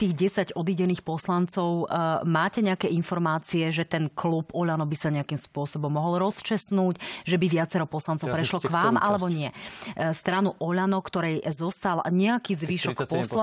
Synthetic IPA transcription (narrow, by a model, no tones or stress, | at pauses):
t̪iːɣɟɛsaɟɔd̪iːɟɛniːxpɔslant͡sɔʊmaːcɛɲɛakɛinfɔɾmaːt͡siɛʒɛt̪ɛnklubɔʎanɔbisaɲɛakimspʊɔsɔbɔmːɔɦɔlɾɔst͡ʃɛsnuːcʒɛbiʋɪat͡sɛɾɔpɔslant͡sɔʊpɾɾɛʃlɔkʋaːmʔa̰lɛbɔɲɪɛst̪ɾanuʔɔʎanɔkt̪ɔɾɛjzɔst̪alɲɛakiːzʋiːʃɔkpɔs